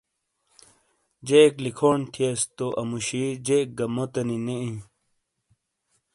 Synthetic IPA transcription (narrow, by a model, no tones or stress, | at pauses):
d͡ʑeklikʰoːɳʈ̪ʰiest̪oʔɐmuɕid͡ʑek̚ɡɐmot̪ɐnineĩ